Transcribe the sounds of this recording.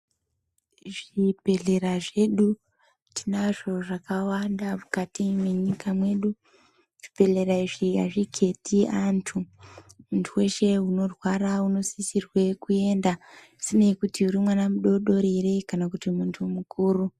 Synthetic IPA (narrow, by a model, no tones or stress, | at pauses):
ʐipe̞ɮe̞ɾaʐe̞ɗu | tʰinaʐo̞ʐakawandamukatimweɲikʰamwe̞ɗu | ʐ̥ipe̞ɮe̞ɾaiʐiaʐikʰe̞tʰiantʰumuntʰuwe̞ʃe̞uno̞rwarauno̞sisirwe̞kue̞ːnda | sine̞kutiuɾimwanamuɗo̞ɗo̞ɾiɾe̞kanakutimuntʰumukuːɾu